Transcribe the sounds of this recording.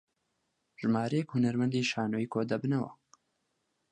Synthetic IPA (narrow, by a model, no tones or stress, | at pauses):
ʒ̥ɨmaːɾɛjɛkhunɐɾmɛnd̪iːʃaːnoːiːkʰoːd̪ɐbɨnɐwɐ̰